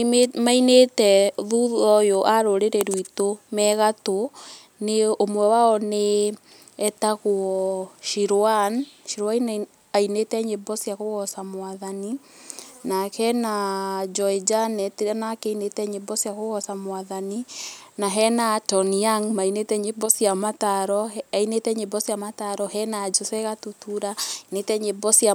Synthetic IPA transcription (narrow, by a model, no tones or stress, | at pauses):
mainetɛðuðɔjoʔaɾoɾeɾeɾwitomɛɣato | neomwɛwaɔne | ɛtaɣuɔʃiɾoanʃiɾwain | ainetɛɲebɔsjaɣoɣɔsamwaðani | nakɛnad͡ʒɔid͡ʒanɛtanakɛinetɛɲebɔsiaɣoɣɔsamwaðaninaɦɛnatɔniaŋmainetɛɲebɔsiamataɾɔainetɛɲebɔsiamataɾɔhɛnad͡ʒɔsɛɣatutuɾainetɛɲebɔsia